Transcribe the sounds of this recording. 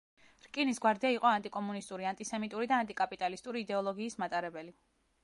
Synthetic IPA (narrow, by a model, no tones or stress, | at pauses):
ɾkʼinisɡwaɾd̪iaiqʼɔant̪ʼikʼɔmunist̪ʼuɾiant̪ʼisɛmit̪ʼuɾid̪aːnt̪ʼikʼapʼit̪ʼalist̪ʼuɾiːd̪ɛɔlˠɔɡiːsmat̪ʼaɾɛbɛli